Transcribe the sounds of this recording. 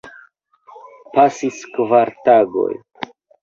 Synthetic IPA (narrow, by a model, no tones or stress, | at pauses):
pasiskvaɾtaɡo̞̰j